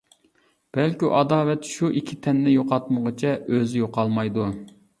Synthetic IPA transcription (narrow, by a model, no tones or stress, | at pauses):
b̥ɛlkʲiʔɑd̪ɑːlɛt̪ʃuʔikʲʰːit̪ʰɛnːɪjoqɑt̪̚məʁət͡ʃʰɛʔøzɪjoqɑlˠmɑjd̪u